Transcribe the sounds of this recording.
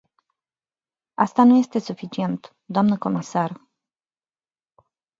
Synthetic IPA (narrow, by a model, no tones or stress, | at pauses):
ast̪anuje̞st̪e̞sufit͡ʃie̞nt̪ | d̪oamnəko̞misar